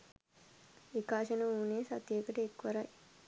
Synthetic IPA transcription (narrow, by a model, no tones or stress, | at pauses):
ikaːʃɐnɐuːneːsɐt̪jeːkɐʈeekʋɐɾaj